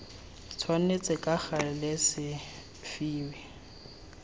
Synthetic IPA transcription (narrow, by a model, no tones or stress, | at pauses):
t͡sʰwan̩net͡sʼɪkʼak͡xarɪlɪsɪ | fiːwɪ